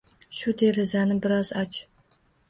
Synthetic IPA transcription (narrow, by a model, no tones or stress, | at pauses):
ʃʊd̪e̞ɾɪzanɪbɪɾɒz̥ɒt͡ʃ